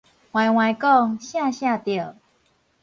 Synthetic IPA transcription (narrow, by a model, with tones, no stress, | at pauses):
hw̃ã˨˩jw̃ã˨jkɔ˥˧ŋɕjã˥˧ɕjã˥˧t̪jə˨˩